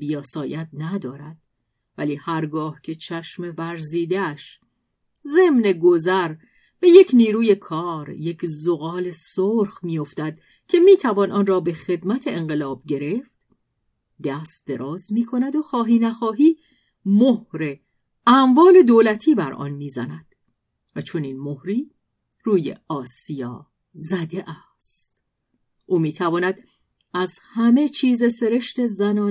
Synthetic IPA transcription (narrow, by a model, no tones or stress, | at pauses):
bijɒːsɒːjæt̪̚næd̪ɒːɾæd̪̥ | væliːhæɾɡɒːhcʰe̞t͡ʃʰæʃme̞væɾziːd̪eæʃ | ze̞mne̞ɡo̞zæɾ | b̥e̞je̞cʰniːɾuːje̞kʰɒːɾje̞cʰzoɣɒːle̞soɾxmijo̞ft̪æd̪̥ | cʰe̞miːt̪ʰævɒːnɒːnrɒːbe̞xe̞d̪mæt̪ʰeeŋɢe̞lɒːb̥̚ɟe̞ɾe̞ft̪ | d̪æst̪̚d̪̥e̞ɾɒːzmiːkʰo̞næd̪oxɒːɦiːnæxɒːɦiː | mohɾe | æmvɒːle̞d̪oːlæt̪ʰiːbæɾɒ̰nmiːzæ̰næd̪̥ | væt͡ʃʰo̞niːnmohɾiː | ɾuːjḛɒːsijɒ̰ː | zæd̪eʔæ | st̪ | ʔuːmiːt̪ʰævɒːnæd̪ | æzhæme̞t͡ʃʰiːze̞se̞ɾe̞ʃt̪e̞zænɒː